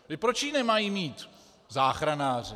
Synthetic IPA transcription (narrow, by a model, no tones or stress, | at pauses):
t̪ɪpɾot͡ʃiːnɛmajimiːt̪ | zaːxɾanaːr̝ɪ